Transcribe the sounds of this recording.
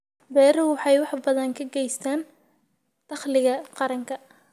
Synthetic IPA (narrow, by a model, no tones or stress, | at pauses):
bɛːɾɐhʊwɑħɑjwɑħbɐðɐŋkʰɐɡɛjst̪ʰaːn | d̪̥ɑχlɪɣɐqɑɾɐŋkʰɐ